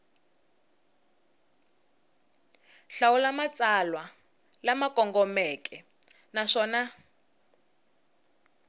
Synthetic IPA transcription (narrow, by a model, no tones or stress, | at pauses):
ɬawulamat͡salwa | lamakʼɔŋɡɔmɛkʰʼɛ | naʂɔːna